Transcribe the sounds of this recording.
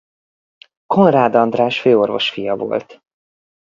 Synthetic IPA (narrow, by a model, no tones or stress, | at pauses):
ko̞nraːd̪ɒnd̪raːʃføːo̞rvo̞ʃfijɒvo̞̰lt̪